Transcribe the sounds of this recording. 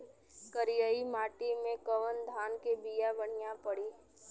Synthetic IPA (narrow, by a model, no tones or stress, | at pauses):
kəɾijəimaːʈimẽkəʋənd̪ʱaːnkebijabəɽɪjapəɽiː